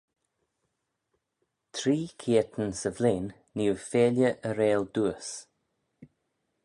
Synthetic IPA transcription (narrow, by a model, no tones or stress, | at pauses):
t̪ʰɾiːkʰiət̪ənsəvleːnː | iəfeːljəʔəɾeːld̪uəs